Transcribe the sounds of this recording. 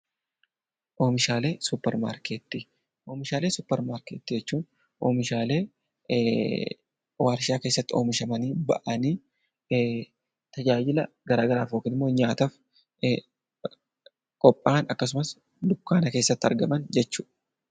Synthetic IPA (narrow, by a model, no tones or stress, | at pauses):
ʔo̞ːmɪʃaːle̞ːsʊpːɛɾma̰ːɾket̪ːi | ʔo̞ːmɪʃaːle̞ːsʊpːɛɾmaːɾkeːt̪ːid͡ʒɛt͡ʃːuːn | ʔo̞̰ːmɪʃaːle̞ː | waːɾʃaːke̞ːsːɐt̪ːɪo̞̰ːmɪʃɐmɐniːbɐ̰ʔɐniː | t̪ɐd͡ʒaːd͡ʒɪlɐ | ɡɐɾaːɡɐɾaːfoːkɪnɪmːoːɲaːt̪ɐf | kʼɔpʼːaːnɐkːɐsʊmɐs | d̪ʊkːaːnɐke̞ːsːɐt̪ːɐ̰ɾɡɐmɐnd͡ʒɛt͡ʃːuː